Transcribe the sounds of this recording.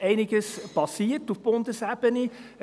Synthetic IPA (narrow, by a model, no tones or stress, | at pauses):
eɪnɪɡəspɑsiərtufpɔndəsæpəni